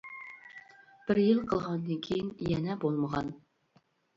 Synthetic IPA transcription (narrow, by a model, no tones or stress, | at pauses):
b̥ɪɾjɨlˠqʰəlˠʁɑnd̪ɨŋkʲʰijinjɛnɛbolˠməʁɑ̰n